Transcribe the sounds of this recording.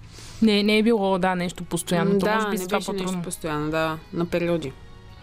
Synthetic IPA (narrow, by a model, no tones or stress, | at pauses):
nɛnɛːbilˠɔd̪anɛʃt̪opost̪ojanod̪bisapɔɾɔost̪ojanod̪anɐpɛɾiɔd̪i